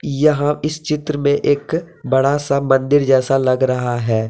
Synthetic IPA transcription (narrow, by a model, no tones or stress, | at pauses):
jɐɦãɪst͡ʃɪt̪ɾəmẽʔeːk | bɐɽasamɐ̃nd̪ɪɾd͡ʒɛːsalɐɡɾɐɦaɦɛː